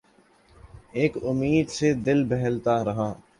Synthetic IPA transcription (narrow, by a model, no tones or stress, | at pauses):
eːkʊmːiːd̪sed̪ɪlbɛɦəlt̪aɾɐɦãː